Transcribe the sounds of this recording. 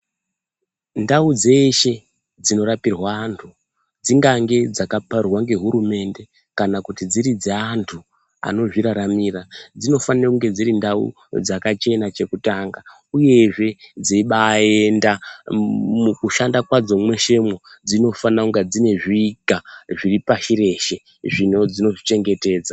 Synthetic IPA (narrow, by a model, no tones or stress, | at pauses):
ndaud͡ze̞ʃe̞ | d͡zino̞ɾapirwaːntʰu | d͡ziŋɡaŋɡe̞d͡zakaparwaŋɡe̞ɦuɾume̞nde̞ | kanakutid͡ziɾid͡zeantʰu | a̰no̞ʐiɾaɾamirad͡zino̞fanirakuŋɡe̞d͡ziɾindaṵ | d͡zakat͡ʃe̞nat͡ʃe̞kutaːŋɡa | uje̞ʐe̞d͡ziiɓae̞nda | mukuʃandakwad͡zo̞mwe̞ʃe̞mwod͡zino̞fanauŋɡad͡zine̞ʐiːɡaʐiripaʃiɾe̞ʃe̞ | ʐino̞d͡zino̞ʐit͡ʃe̞ŋɡe̞te̞ːd͡za